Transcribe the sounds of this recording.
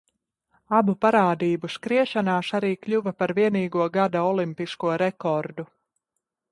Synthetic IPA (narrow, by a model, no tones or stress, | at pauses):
abupaɾaːd̪iːbuskɾiɛʃanaːsaɾiːkʎʲuvɐpaɾviɛniːɡuɔɡad̪aɔlˠimpiskuɔɾɛkɔɾd̪u